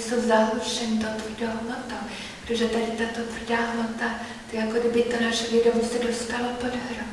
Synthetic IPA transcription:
sowzaɦluʃɛnit̪ot̪vrdoɦmot̪o | pɾɛt̪oʒɛt̪adɪt̪at̪ot̪vr̩daːɦmot̪a | t̪aɡakodɪbɪt̪onaʃɛlidobusɛdost̪alopod̪ɦɾo

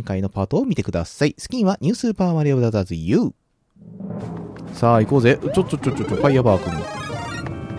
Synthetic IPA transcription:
ŋkaino̞paːt̪o̞ːmʲit̪e̞kɯ̟d̪a̰saisɨ̥kʲĩɰ̃βaɲ̟ʲɨːsɨːpaːmaɾʲiabd̪azazɨjɯː | saːikoːzeʔt͡ɕot̪̚ːt͡ʃːot͡ʃot͡ʃːot̪̚ːt͡ɕopajabaːkɯ̟̃ni

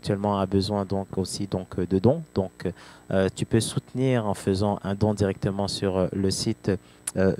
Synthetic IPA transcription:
k̚t̪ɥɛlmɑ̃abəzwɛ̃d̪ɔ̃kosid̪ɔ̃kd̪əd̪ɔ̃d̪̥ɔ̃køt̪ypøsut̪niʁɑ̃fəzɑ̃ʔɛ̃d̪ɔ̃d̪iʁɛk̚t̪əmɑ̃syʁləsit̪ | ø

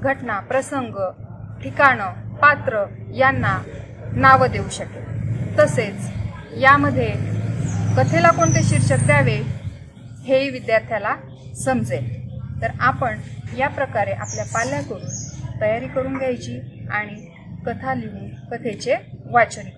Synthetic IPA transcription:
ɡʱəʈnapɾəsəŋɡʈʰikaɽ̃əpat̪ɾəjanːa | naʋəd̪euɕəket̪əset͡sjaməd̪ʱːje | kət̪ʰelakoɳt̪eɕiɾɕək̚d̪jaʋe | heiʋid̪jaɾt̪ʰjala | səmd͡zet̪əɾapəɳjapɾəkaɾeʔapljapaljakəɾuːnt̪əjaɾiːkəɾuːnɡʱjajt͡ɕiːaɽ̃i | kət̪ʰaliuːnkət̪ʰet͡ɕeʋat͡sɾi

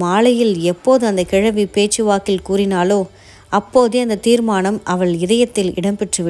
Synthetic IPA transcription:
maːlɐjɪlɛpːoːðɯɐnd̪ɐkɪɻɐʋipeːt͡ʃːɯʋaːkɪlkuːrɪnaːloː | ɐpːoːðeɐnd̪ɐt̪iːɾmaːnɐmʔɐʋɐɭɪðɐjɐt̪ːɪlɪ̰ɽɐmpɛʈrɯʋɪ

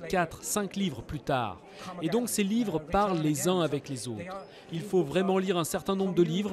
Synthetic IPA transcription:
kat̪χsɛ̃klivʁəplyt̪a̰ːʁ | ed̪ɔ̃kselivʁpaʁlːezɛ̃avɛklezo̰t̪χ | ilfovʁɛmɑ̃liʁɛ̃sɛʁt̪ɛ̃nɔ̃bʁəd̪əlivʁ

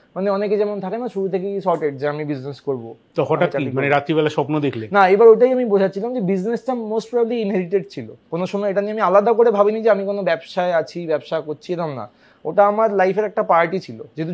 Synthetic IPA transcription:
maneɔneked͡ʑɛmont̪ʰakenaʃuɾut̪ʰekeiʃɔɾʈeɖ̚d͡ʑeamibid͡ʑneskoɾbo | t̪ɔkʰõʈakaiimaneɾat̪ibɛlaʃɔpnod̪ekʰlenaebaɾoʈajamibod͡ʑʱat͡ɕʰilamd͡ʑebid͡ʑnesʈamosʈpɾɔbliinɦeɖiʈeɖ̚t͡ɕʰilo̰konoʃɔmɔeeʈanieamialad̪akoɾebʱabinid͡ʑeamikonobɛbʃaeat͡ɕʰibɛbʃakoɾt͡ɕʰiet̪amna̰ | oʈaamaɾlajfeɾɛk̚ʈapaɾʈit͡ɕʰilo̰d͡ʑet̪u

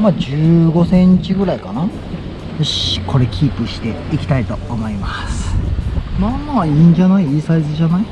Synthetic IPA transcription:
mad͡ʑɨːɡo̞sẽ̞ɲt͡ɕiɡɯ̟ɾaikana | ɕkʰo̞ɾe̞kʲʰiːpɯ̟ɕi̥t̪e̞ikʲi̥t̪ait̪o̞ːmo̞imasɨ̥ | maːmaːiːɲ̟d͡ʑanaiiːsaizɨʑanai

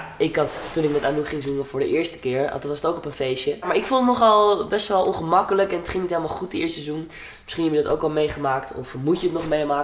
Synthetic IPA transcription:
ɪkɦɑttunɪk̚mɛtaːnuχɪŋzuməvʊːɹdəʔɪːɹstə̥kɪːɹɑ̰tʋɑsətowkɔpənfejsjəmaːɹɪkfulˠətnɔχɑlˠbɛstʋɛlˠɔnχəmɑkələkɛnətχɪŋnitɦejləmaːlˠχut̚diɪːɹstɛzun | mɪsχinɦɛbəjədɑto̰wkɑlˠmejχəmaːktʰɔ̰fmucətnɔχmejmaːk

